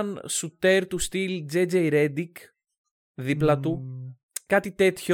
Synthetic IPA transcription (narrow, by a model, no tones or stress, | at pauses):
nsut̪eɾt̪ust̪ild͡zed͡ʒejɾed̪ik | ðiplɐt̪u | kɐt̪it̪e̞t̪ço